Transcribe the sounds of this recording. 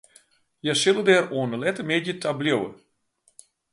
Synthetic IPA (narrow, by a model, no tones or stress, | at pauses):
jɛʃɪlˠədɛːɾoːnəlɛtəmedətʰablʲjowə̰